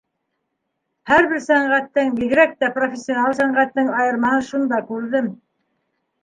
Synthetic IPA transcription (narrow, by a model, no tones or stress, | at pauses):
hæɾβɘɾsæɴʁæt̪ːɘŋbiɣɾæk̚t̪æprofʲɪsʲːionɑlˠsæɴʁæt̪ːɘŋɑjɤ̆ɾmɑhɤʃund̪ɑkʉɾðɘm